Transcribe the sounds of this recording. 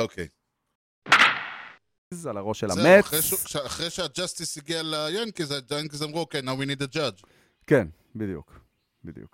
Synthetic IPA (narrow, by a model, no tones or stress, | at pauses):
okʰḛj | zalaʁoʃelameeʃʃaχʁejʃead͡ʒast̪isiɡialajankizad͡ʒankizamʁuokejnawinid̪ad͡ʒad͡ʒ | ken | bid̪jṵk | bḭd̪jṵk